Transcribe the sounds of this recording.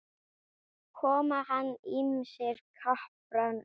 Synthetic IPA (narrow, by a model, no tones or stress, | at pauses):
kʰɔːmahanːɪmsjɛɾ̥kʰahpɾan